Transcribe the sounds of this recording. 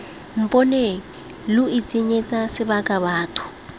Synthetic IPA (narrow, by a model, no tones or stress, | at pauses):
m̩pʼɔne | lʊit͡sʼɪɲet͡sʼasɪbakʼaβaːtʰʊ̥